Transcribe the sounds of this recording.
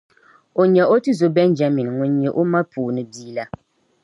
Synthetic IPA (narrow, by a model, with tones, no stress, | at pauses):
o˨ɲɛ˨ʔo˦tɨ˦zo˨bɛ˦nd͡ʒa˦mi˨n˨ŋʊ˨˦ɲɛ˨ʔo˦ma˦pʰuː˨nɨ˨biː˦la˦